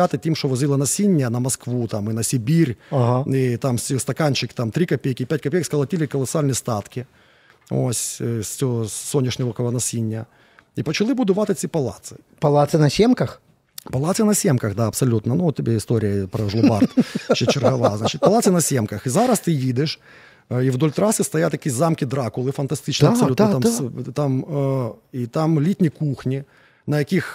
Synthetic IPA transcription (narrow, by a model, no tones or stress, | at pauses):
at̪ɨtʲimʂt̪ovɐzʲilˠɐnɐsʲinʲːɪjənɐmɐskvut̪amɪnɐsʲɪbʲirʲaɦait̪amsʲst̪ɐkanʲt͡ɕɪkt̪amt̪ɾʲikɐpʲejkʲɪpʲætʲkɐpʲejkskɐlˠɐtʲilʲɪkɐlˠɐsɨalʲnəjst̪at̪kʲɪ | o̰sʲsʲsʲosːonʲːɪʂnʲɪʋəkɐlˠɐnɐsʲinʲːɪjə | ipɐt͡ɕɪlˠɨbud̪ʊvat̪ɐt̪sʲɨpɐlˠa̰t̪sɨ̥ | pɐlˠat̪sɨnɐsʲemkɐx | pɐlˠat̪sɨnɐsʲemkɐxd̪aɐpsɐlʲut̪nɐnuɔt̪tʲːɪbʲeɪst̪oɾʲɪjəpɾɐʐlˠʊbart̪ʃɕʲet͡ɕɪrɣɐɐʋazat͡ʃɪt̪̚ʲpɐlˠat̪sɨnɐsʲemkɐxizaɾɐst̪ɨjid̪ɪʂ | ivd̪olʲt̪ɾasɨst̪ɐjat̪jɐkʲizamkʲɪd̪ɾakʊlˠɨfɐnt̪ɐsʲt̪ɨt͡ʃnsɐlʲut̪t̪amt̪am | it̪amlʲit̪ʲnʲikuxnʲi | nɐjɐkʲix